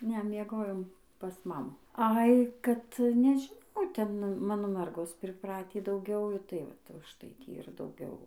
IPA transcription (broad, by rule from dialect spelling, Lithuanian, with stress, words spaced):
ˈnʲɛ mʲiɛˈɡoːjoːm pɐs ˈmɑːmʊ ˈɐɪ kɐt nʲɛʒʲɪˈnɐʊ ˈtʲɛn ˈmɑːnoː ˈmʲɛrɡoːs pʲrʲɪˈprɑːtʲiː dɐʊˈɡʲɛʊ tɐɪ ˈʋɐt ʊʃˈtɐɪ ˈtʲiː ɪr dɐʊˈɡʲɛʊ